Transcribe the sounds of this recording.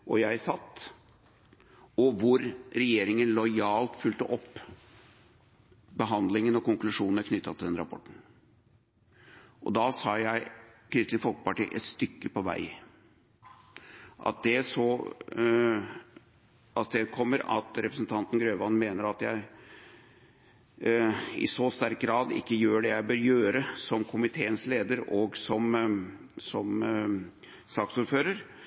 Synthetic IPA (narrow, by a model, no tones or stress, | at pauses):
ʔɔjæɪsɑt̪ː | ɔʋʊɾɾɛjeːɾɪŋənlɔɪɑːlt̪fʉlt̪əʔɔpː | bəɦɑnd̪lɪŋənɔkʊŋklʉʂuːnnəɾknʏt̪ːɑt̪ʰɪld̪ɛnɾɑpʰɔ̰ʈːɳ̩ | ʔɔ̰d̪ɑsɑːjæɪkʰɾɪst̪ɪnfɔlkə̥pɑʈḭːʔɛt̪st̪ʏkːəpɔʋæ̰ɪ | ʔɑ̰t̪̚d̪ɛsɔ | ɑst̪eːd̪̚kʰɔmːəɾɑ̰t̪ɾɛpɾəsnt̪ʰɑnt̪ənɡɾøːʋɑnmeːnəɾɑt̪jæɪ | ɪ̰sost̪æɾk̚ɡɾɑːd̪ɪ̰kːəjøːɖɛjæɪbøːɾjøːɾəsɔmkʰʊmɪt̪ʰeːənsleːd̪əɾoːɡsɔm | sɔm | sɑːksuːɾføːɾəɾ